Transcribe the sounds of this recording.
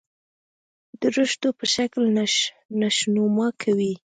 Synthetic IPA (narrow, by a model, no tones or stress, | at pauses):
d̪əɾəʃt̪opəʃakl | naʃnomɑkʰawi